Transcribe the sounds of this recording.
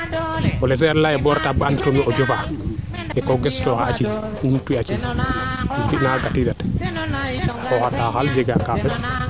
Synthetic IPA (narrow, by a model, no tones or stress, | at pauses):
ɔlɛs̬ɛɾlaɛbɔɾtabanditɔnɔʔɔd͡ʒɔfa | ʔɛkɔɡɛstɔhat͡ʃi | untuat͡ʃi | kinaɡatiɗat | ɛkɔhatahald͡ʒɛɡakafɛs